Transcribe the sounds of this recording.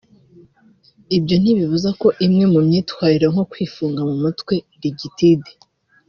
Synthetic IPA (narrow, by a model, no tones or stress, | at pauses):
ibjo̞n̥iβivuzako̞ʔimŋe̞mumɲiːtwaːɾiɾaŋ̥o̞kwiːfuːŋɡamumutwe̞ | ɾiɟitide